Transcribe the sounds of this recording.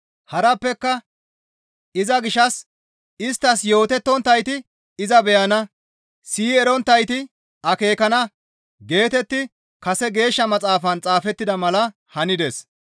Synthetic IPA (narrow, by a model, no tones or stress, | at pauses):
hɐɾɐpːɛkːɐ | ɪzɐɡɪʃːɐs | ɪst̪ːɐsjo̞ːt̪ɛt̪ːɔnt̪ːɐjt̪ɪ | ɪzɐbɛjɐnɐ | siːɛɾɔnt̪ːɐjt̪ɪ | ʔɐke̞ːkɐnɐ | ɡe̞ːt̪ɛt̪ːɪ | kɐsɛɡe̞ːʃːɐmɐt͡sʼaːfɐnt͡sʼaːfɛt̪ːɪd̪ɐmɐlɐ | hɐnɪd̪ɛs